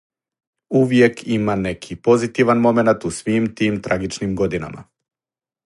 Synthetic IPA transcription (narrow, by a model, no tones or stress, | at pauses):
uvjɛkʰimanɛkʰipɔzit̪ivanmɔmɛnat̪usʋimt̪imt̪ɾaɡit͡ʃnimɡɔd̪ina̰ma̰